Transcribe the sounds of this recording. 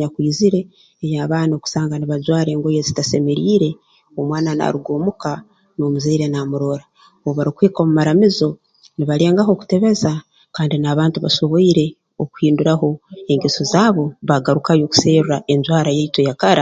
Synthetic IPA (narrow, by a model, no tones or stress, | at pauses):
akwiːziɾe̞ː | jaːβaːnoːku̥saːŋɡaniβad͡ʒwaːɾe̞ːŋɡojezitase̞me̞ɾiːɾe̞ | omwaːnana̰ɾuɡo̞ːmuka | no̞ːmuzeiɾe̞namuɾo̞ɾa | ooβaɾikweːkomumaɾamizo̞ | niβaɾe̞ːŋɡaɦo̞ːku̥te̞βe̞za | kaːndinaːβaːntuβa̰so̞βoiɾe̞ | oku̥hiːnduɾaɦo̞e̞ŋɡesozaːβo̞βaɡaɾukajo̞ːku̥seːɾuɾae̞ɲɟwaːɾajeito̞jakaɾa